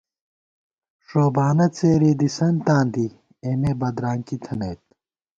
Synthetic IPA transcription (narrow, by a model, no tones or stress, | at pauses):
ʂoːbaːnɐt͡seːɾiːd̪isɐnt̪ãːnd̪i | emebɐd̪ɾaːŋkit̪ʰɐneːt̪